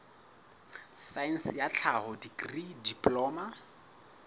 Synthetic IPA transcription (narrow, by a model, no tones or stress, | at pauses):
sainsjat͡ɬʰahɔdikridipʼlɔːma